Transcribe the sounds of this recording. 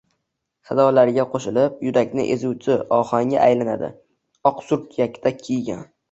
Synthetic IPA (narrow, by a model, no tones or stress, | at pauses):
sazɒlaɾɡʲaqʰoʃɪlɪp̚jʊɾakʲnɪ̰ʔezuwt͡ʃʰɪɒχaŋa̰ʔajlana̰d̪ɪ̰ | ɒqsʊɾt̪jakʲt̪akʲʰijɡʲa̰n